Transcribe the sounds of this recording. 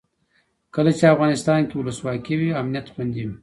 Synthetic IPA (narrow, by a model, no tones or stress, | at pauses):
kəlat͡ʃeafɣɑnɪst̪ɑnkewʊləswɑkiwiamnijat̪xʊnd̪iwi